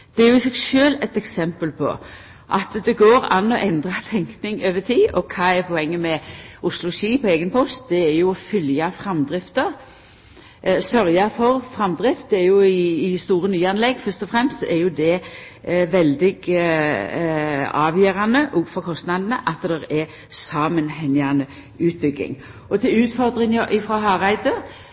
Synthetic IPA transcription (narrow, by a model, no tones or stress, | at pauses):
d̪̥ɛæɾjʊɪsɛɡʃøːlɛt̪ɛksɛmpəlpʰɔ̰ | ʔɑt̪d̪ɛɡoːɾɑ̰nːɔʔɛnd̪ʁɑt̪ʰɛŋknɪŋøːʋət̪ʰiːʔɔkʰɑːɛɾpʰɔɛŋːəmɛʔʊslʊʃiːpɔeːɡənpʰɔst̪d̪ɛæɾjʊɔfʏljɑfɾɑmd̪ɾɪft̪əɾ | sœɾjɑfɔɾfʁɑmd̪ʁɪft̪̚d̪ɛæɾjʊɪːst̪uːɾənyːɑnlɛɡfœst̪ɔfɾɛmst̪sɔʔɛɾjʊd̪ɛ | ʋɛld̪ɪɡ | ɑːʋjøːɾɑnəʔɔɡfɔʁkʰɔst̪nɑd̪n̩əʔɑt̪d̪ɛɾɛ | sɑːmənhɛŋɪɑnə | ʉːt̪̚bʏɡɪ̰ŋ | ʔɔt̪ʰɪlʉːt̪fɔʁd̪ɾɪŋəʔɪfɾɑɦɑːʁæɪd̪ə